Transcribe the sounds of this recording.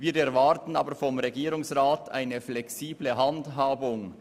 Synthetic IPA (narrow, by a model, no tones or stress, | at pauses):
viːɾɛɾvɑɾtn̩ɑːbəɾfɔmʁeɡiːɾʊŋsʁaːtʰa̰ɪnəflɛksiːbləɦɑndɦaːbʊŋ